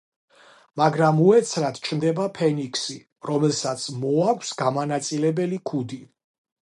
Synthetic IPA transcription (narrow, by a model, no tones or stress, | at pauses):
maɡɾamuɛt̪sʰɾat̪ʰt͡ʃʰnd̪ɛbapʰɛnikʰsi | ɾɔmɛlˠsat̪sʰmɔakʷʰsɡamanat̪sʼilɛbɛlikʰud̪i